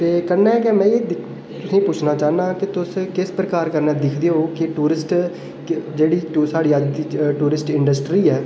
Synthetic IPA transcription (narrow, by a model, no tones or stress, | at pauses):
t̪eːkənːɛ̃ːkemɛ̃ːed̪ | t̪ʊsĩːpʊt͡ʃʰnaːt͡ʃaːnãːkɪt̪ʊskɪspɾəkaːɾkəɾnɛːd̪ɪkʰd̪eːoːkɪʈuːɾɪsʈ | kd͡ʒeːɽiːsaːɽiːəd͡ʒd̪iːʈuːɾɪsʈɪɳɖəsʈɾiːɛː